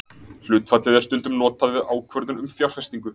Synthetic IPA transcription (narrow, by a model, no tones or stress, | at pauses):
l̥ʏːt̪fat̪ɛðḁst̪ʏnt̪ʏmnɔːt̪aðvɪðaːwkʰvœɾðʏnʏmfjawɾfɛst̪iŋkʏ